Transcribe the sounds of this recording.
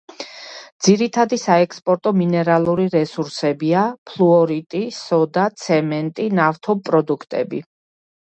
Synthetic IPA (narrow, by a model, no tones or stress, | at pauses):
d̪z̥iɾit̪ʰad̪isaɛkʰspʼɔɾt̪ʼɔminɛɾalˠuɾiɾɛsuɾsɛbiapʰlˠuɔɾit̪ʼisɔd̪at̪sʰɛmɛnt̪ʼinaft̪ʰɔpʼɾɔd̪ukʰt̪ʼɛ̰bḭ